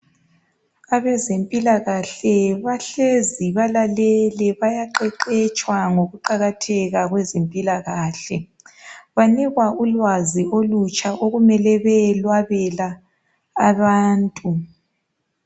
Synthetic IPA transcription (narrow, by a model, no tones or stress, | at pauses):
aβɛzempʼilaɣaɬɛβaɬeziβalalɛlɛβajaǃɛǃɛt͡ʃʼwaŋoɣuǃaɣatʰɛɣaɣwɛzempʼilaɣaːɬɛ | βaniɣwaʔulwaziolut͡ʃʼaʔoɣumɛlɛβɛlwaβɛlaː | βaːntʼu